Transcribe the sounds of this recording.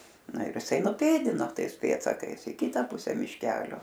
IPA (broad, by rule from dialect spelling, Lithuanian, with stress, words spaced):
ˈnɐ ɪr ɪˈsɐɪ nʊˈpʲeːdʲɪnoː ˈtɐɪs ˈpʲeːtsɐkɐɪs ɪ ˈkʲɪtɐ ˈpʊsʲɛ mʲɪʃʲˈkʲæːlʲoː